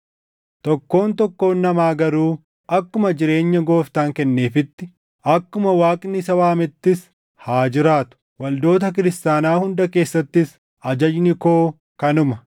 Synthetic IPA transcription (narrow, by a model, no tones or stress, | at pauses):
t̪ɔkːo̞ːnt̪ɔkːo̞ːnːɐmaːɡɐɾuː | ʔɐkːʊmɐd͡ʒɪɾe̞ːɲːɐɡo̞ːft̪aːŋkɛnːe̞ːfɪt̪ːɪ | ɐkːʊmɐwaːkʼnɪsɐwaːmɪt̪ːɪs | haːd͡ʒɪɾaːt̪ʊ̥ | wɐld̪o̞ːt̪ɐk̬ɪɾɪst̪aːnaːhʊnd̪ɐke̞ːsːɐt̪ːɪs | ɐd͡ʒɐd͡ʒnɪko̞ː | kɐnʊmɐ